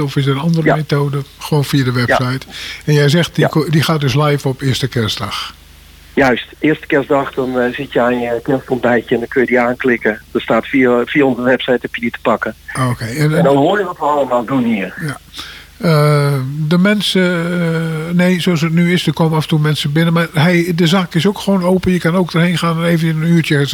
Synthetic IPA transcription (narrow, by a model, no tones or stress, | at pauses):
ɔfɪsdəənɑndərəəmetoːdəxəʋoːnfiədəʋɛpsɛjtɛnjɛjzɛxt̚dikdixaːt̚døs̬lɛjfɔpɪəstəkɛsdɑx | jœɥstɪərstə̥kɛsdɑxdɔnzɪtjɛnkɛstɔndɛjkjəɛndɔnkʰøjədiaːnklɪkədɔstaːtfifiəɔnzəʋɛpsɛjtɛpjəditə̥pɑkəoːkʰejɛnɛndɔnhoərjəʋɔtʋəɑləmaːlˠdunhiərja | ədəmɛnsə | neːsoɑsətnyɪsdəkʰoməafəntulˠmɛnsəbɪnəmarhɛdəzaːkɪsokxʋoːnoːpəjəkanoːk̚dərheːnxaːnɛneːvənənənyːtjə